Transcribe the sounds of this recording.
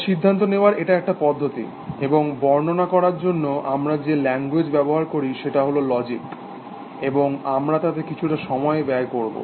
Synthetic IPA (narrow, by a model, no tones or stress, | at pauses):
ʃid̪ʱːant̪̬oneoaɾeʈaɛk̚ʈapɔd̪ʱːot̪ḭ | eboŋbɔɾnonakɔɾaɾd͡ʑonːoʔamɾad͡ʑelɛŋɡwed͡ʑbɛboɦaɾkoɾiʃeʈaɦololɔd͡ʑik | eboŋamɾat̪at̪ekit͡ɕʰuʈaʃɔmɔebɛaekoɾbo̰